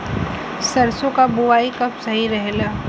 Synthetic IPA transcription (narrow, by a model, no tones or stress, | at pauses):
sɐɾsõkabʊʋaːikɐpsɐɦiɾɐɦelaː